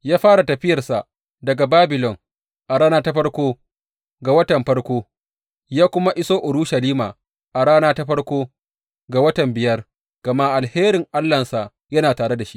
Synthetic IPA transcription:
jaː˦ɸaː˦ɽa˨tɐ˨ɸɪ˦jɐ˨rsa˨ʔ | dɐ˨ɡa˨baː˦bɪ˨lɔ˨ŋ | ʔa˨ɽaː˦naː˦ta˦ɸɐ˦ɽkʷoː˦ | ɡa˨wɐ˦tɐ˨mɸɐ˦ɽkʷoː˦ | jaː˦kʷʊ˦ma˦ʔɪ˦soː˦ʔʊ˨ɾuː˦ʃɐ˨liː˦ma̰ː˨ | ʔa˨ɽaː˦naː˦ta˦ɸɐ˦rkʷoː˦ | ɡa˨wɐ˦tɐ˨mbɪ˨jɐ˦r | ɡ̥ɐ˨ma˦ʔa˨lheː˦ɾɪ˨ŋʔa˦lːɐ˨nsa˨ʔ | jɐ˦naː˨taː˨ɽe˦da˨ʃi˦ʔ

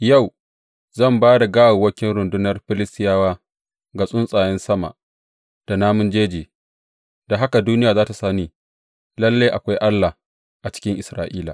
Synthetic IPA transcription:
ja˦˨w | zɐ˦˨mbaː˦da˨ɡaː˦wo˨wɐ˦kʲɪ˦nɾʊ˨ndʊ˦nɐ˦rɸɪ˦lɪ˦stɪ˦jaː˦waː˦ | ɡa˨sʼʊ˦nsʼaː˨jɛ˦nsɐ˦ma̰˨ʔ | d̥a˨naː˦mʊ˦nd͡ʒeː˦d͡ʒiː˨ | da˨ɦa˦ka˨duː˦nɪ˦jaː˨zaː˦ta˨saː˦niː˦ | lɐ˦lːa˦jʔa˨kʷa˦jʔa˦lːa˨ | ʔa˨t͡ʃɪ̥˦kʲɪ˦ŋʔɪ˨sɾa̰ː˨ʔiː˦la̰˨

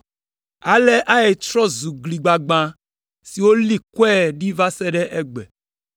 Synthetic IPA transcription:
a˨le˦ʔa˦e˨t͡ʃɾɔ˦zu˨ɡli˨ɡ͡ba˨ɡ͡bã˨ | si˨wo˦li˦kɔ˦ɛ˦˨ɖi˦va˦sɛ˦ɖɛ˦ʔɛ˦ɡ͡bɛ̰˨

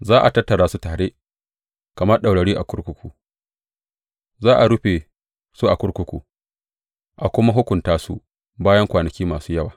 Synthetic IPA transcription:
zaː˦ʔa˨tɐ˦tːɐ˨ɾaː˦su˦taː˨ɽeː˦ | kɐ˨mɐ˦rɗa˨wɽɐ˨ɽiː˦ʔa˨kʷʊ˦ɽkʷʊ˦kʷu˨ | zaː˦ʔa˨ɽʊ˦ɸe˨ | su˦ʔa˨kʷʊ˦ɽkʷʊ˦kʷṵ˨ | ʔa˨kʷʊ˦ma˦ɦʊ˦kʷʊ˨ntaː˦sṵ˦ | baː˦jɐ˦ŋkʷaː˨nɐ˨kʲiː˦maː˨suː˦jɐ˦waː˨

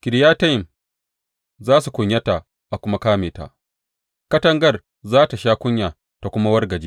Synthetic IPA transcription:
kʲɪ˨ɾjaː˦tɐ˦jɪ˨m | zaː˦su˨kʷʊ˨ɲjɐ˦ta˨ | ʔa˨kʷʊ˦ma˦kaː˦meː˨ta̰˨ʔ | kɐ˦tɐ˦ŋɡɐ˦r | zaː˦ta˨ʃaː˦kʷʊ˦ɲjaː˨ | ta˨kʷʊ˦ma˦wɐ˦rɡɐ˨d͡ʒiː˦

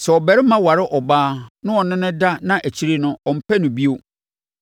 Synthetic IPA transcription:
sɛ˨ɔ˨bæ˨ɾɪ˦mã˦wa˨ɾɪ˦ʔɔ˨baː˦nʊ̃˦ɔ˨nɪ̃˦nɪ̃˦da˦nã˦ʔæ˨t͡ɕʰi˦ɾi˦nʊ̃˦ɔ˨m̩˦pʰæ˦nʊ̃˨bi˦o˦

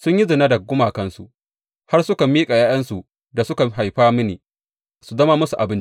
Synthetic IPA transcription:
sʊ˦ɲji˦zɪ˨na˦dɐ˨ɡʊ˦maː˨kɐ˦nsu˨ʔ | ha˦rsʊ˦ka˨miː˦kʼa˨jaː˦j̰ɐ˦nsu˨ | da˨sʊ˦ka˨ɦa˨jɸaː˦mɪ˦nḛː˨ | su˨zɐ˦ma˦mʊ˦su˨ʔa˨bɪ˦n

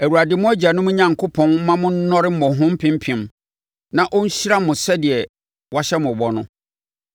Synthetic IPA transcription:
æ˨wu˨a˨dɪ˨˦mʊ̃˦æ˦d͡ʑa˨nʊ̃˦mʊ̃˦ɲã˨ŋkʰo˦pʰɔ̃˦n˦mã˦mʊ̃˦n̩˦nɔ̃˦ɾɪ˦m̩˦mɔ̃˨ɦʊ̃˦m̩˦pʰɪ̃˦m˦pʰĩ˨m | nã˦˨ʔɔ˦ɲ̩˦ɕi˦ɾa˦mʊ̃˨sɛ˦dɪ˨ɛ˨ | wa˦ɕɛ˦mʊ̃˨bɔ˦nʊ̃˦

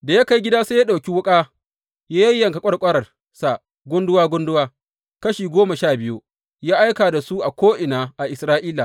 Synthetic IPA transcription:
da˨ja˦ka˦jɡʲɪ˦daː˦seː˦ja˦ɗa˨wkʲi˦wʊ˦kʼaː˦ | jaː˦jɐ˦jːɐ˨ŋkɐ˨kʷʼɐ˦ɽkʷʼɐ˦ɾɐ˨r | sa˨ | ɡʷʊ˦ndʊ˦waː˦ɡʷʊ˦ndʊ˦waː˦ | kɐ˦ʃiː˨ɡʷoː˦ma˨ʃaː˦˨bɪ˦ju˦ | jaː˦ʔa˦jkaː˨da˨su˦ʔa˨kʷoː˦ʔɪ˨naː˨ʔa˨ʔɪ˨sɾaː˦ʔiː˦la˨

